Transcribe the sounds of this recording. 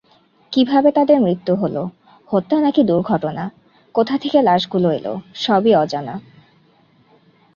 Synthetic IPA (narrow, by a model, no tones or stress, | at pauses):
kibʱabet̪ad̪eɾmɾit̪ːuɦolo | hot̪ːanakid̪uɾɡʱɔʈona | kot̪ʰat̪ʰekelaʃɡuloelo̰ʃɔbiɔd͡ʑana